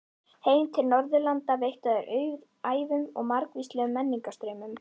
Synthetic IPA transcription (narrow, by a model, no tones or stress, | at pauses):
heːjmt̪ʰɪlnɔɾðʏlant̪avejht̪aðʏɾʔœːɥð | aːjvʏmɔɣmaɾkviːst̪lɛɣʏmːɛnːiŋkast̪ɾœːɥmʏm